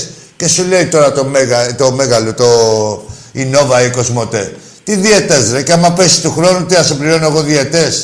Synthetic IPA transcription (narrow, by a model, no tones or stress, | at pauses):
s | ce̞sule̞it̪o̞ɾɐt̪omeɣɐt̪omeɣɐlot̪o | ino̞vɐiko̞zmo̞t̪e | t̪iðiet̪ezɾeceamɐpesi̥st̪uxɾo̞nut̪iɐsebliɾo̞noeɣo̞ðiet̪es